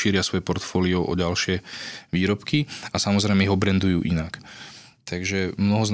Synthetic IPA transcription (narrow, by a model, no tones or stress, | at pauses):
iːɾɪasʋɔjɛpɔɾt̪fɔːliɔʔɔ̰ɟalʃɪɛʋiːɾɔpkiasamɔzɾɛɪmɛiɦɔbɾɛnd̪ujuːʔinak | t̪ʰaɡʒɛmnɔɦɔzn